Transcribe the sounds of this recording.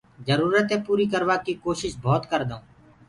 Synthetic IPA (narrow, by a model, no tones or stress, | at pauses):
d͡ʒəɾuːɾət̪ẽːpuːɾiːkəɾʋaːkiːkoːʃɪʃbʱoːt̪kəɾd̪õː